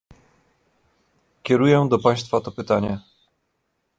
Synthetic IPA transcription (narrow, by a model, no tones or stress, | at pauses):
kʲɛɾujɛd̪ɔpaj̃st̪fat̪ɔpɘt̪aɲɛ